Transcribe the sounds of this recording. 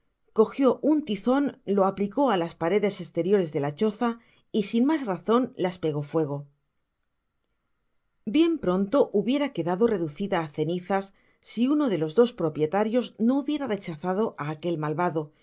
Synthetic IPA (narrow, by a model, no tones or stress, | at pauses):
ko̞xjo̞ʔunt̪iθo̞nlo̞apliko̞alaspaɾe̞ðe̞se̞st̪e̞ɾjo̞ɾe̞zðe̞lat͡ʃo̞θa | isinmazraθo̞nlaspe̞ɣ̞o̞fwe̞ɣ̞o̞ | bje̞mpɾo̞nt̪o̞ʔuβje̞ɾake̞ðaðo̞re̞ðuθiðaːθe̞niθasː | iuno̞ðe̞lo̞zðo̞spɾo̞pje̞t̪aɾjo̞zno̞uβje̞ɾare̞t͡ʃaθaðo̞ʔaːke̞lmalβaðo̞